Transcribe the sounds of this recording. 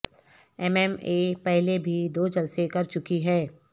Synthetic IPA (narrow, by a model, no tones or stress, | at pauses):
ɛmɛmeːpɛɦlebʱid̪oːd͡ʒɐlsekɐɾt͡ʃʊkiɦɛː